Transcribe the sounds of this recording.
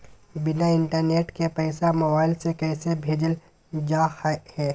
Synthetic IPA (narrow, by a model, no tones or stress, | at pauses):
bɪnaɪ̃ɳʈəɾneːʈkepɛːsamɐbaːɪlsekɛːsebʱeːd͡ʒəl | d͡ʒaːhɛː